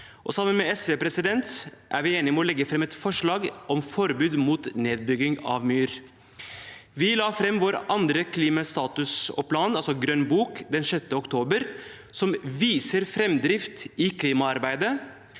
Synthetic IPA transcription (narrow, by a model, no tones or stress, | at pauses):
ʔɔsɑmːənmɛɛsʋeːpɾɛsɪd̪ɛnt̪ʔæ̰ɾʋɪeːnɪmɛɔlɛɡːəfɾɛmɛt̪fɔʂɭɑːɡʔɔmfɔɾbʉːd̪muːt̪neːd̪̚bʏɡɪŋɑ̰ʋmyːɾ | ʋɪlɑːfɾɛmːʋoːɾɑnd̪ɾəkʰliːmɑst̪ɑːt̪ʉsɔ̰pʰlɑːnɑlsɔɡɾœnbuːkd̪ɛnʂɛt̪ːəɔkt̪ʰoːbəɾ | sɔmʋiːsəɾfɾɛmd̪ɾɪft̪ɪkʰliːmɑɑɾbæɪd̪ə